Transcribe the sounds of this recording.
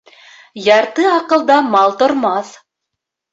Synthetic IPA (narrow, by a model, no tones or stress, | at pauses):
jɑɾt̪ɤɑqɤ̆lˠd̪ɑmɑlˠt̪ŏɾmɑθ